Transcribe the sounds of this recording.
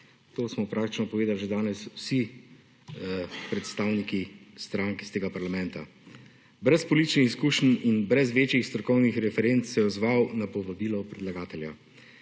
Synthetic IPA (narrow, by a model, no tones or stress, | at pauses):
t̪oːsmɔpɾʔakt̪i̥t͡ʃnɔpɔʋeːd̪alʒed̪aːnɛswsi | pɾɛt̪st̪aːwnikist̪ɾaŋkst̪eːɡapaɾlamɛnt̪a | bɾɛspɔlit̪it͡ʃnixiskuːʃninbɾɛzʋeːt͡ʃjixst̪ɾɔkɔwnixɾɛfɛɾent̪ssɛjɛɔzʋaːwnapɔʋabiːlɔpɾɛd̪laɡaːt̪ɛlja̰